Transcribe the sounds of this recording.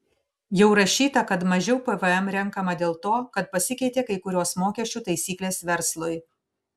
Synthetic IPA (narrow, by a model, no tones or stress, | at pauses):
jɛʊɾɐʃʲiːt̪ɐkɐt̪mɐʒʲɛʊpɛʋəɛmɾʲɛŋkɐmɐd̪ʲeːlˠt̪oːkɐt̪̚pɐsʲɪkʲɛɪt̪ʲeːkɐɪkʊɾʲoːsmoːkʲɛʃʲt͡ʃʲuːt̪ɐɪsʲiːklʲeːsʋʲɛɾslˠʊj